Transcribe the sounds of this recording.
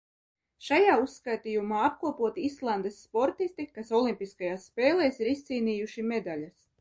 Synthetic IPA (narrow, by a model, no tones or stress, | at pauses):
ʃajaːusːkajt̪iːjumaːap̚kuɔpuɔt̪iislˠand̪esːpɔɾt̪ist̪ikasɔlˠimpiskajaːsːpeːlˠeːsiɾist̪siːniːjuʃimed̪alʲas